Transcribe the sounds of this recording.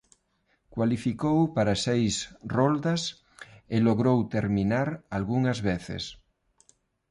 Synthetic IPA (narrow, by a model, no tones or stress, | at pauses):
kwalifikowpaɾasejsrold̪as | eloɣɾowt̪eɾmĩnaɾalɣuŋazβeθḛs